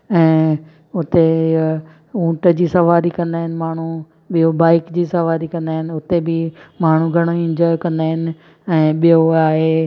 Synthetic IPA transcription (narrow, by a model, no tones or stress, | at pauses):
ɛ̃ː | ʊt̪e | ũːʈəd͡ʑiːsɐʋaːɾikɐ̃nd̪aːɦɪnɪ̆maːɳ̤u | ɓijobaːɪkd͡ʑiːsɐʋaːɾikɐ̃nd̪aːɦɪnɪ̆ʊt̪ebɪmaːɳ̤uɡʱɐɽ̃oɪ̃ɲd͡ʑɔːjkɐ̃nd̪aːɦɪnɪ̆ | ɛ̃ːɓijoaːɦe